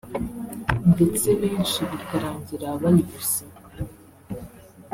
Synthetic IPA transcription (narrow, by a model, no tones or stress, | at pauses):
nde̞t͡se̞βeːnʃiβikaɾaːɲɟiɾaβajivuse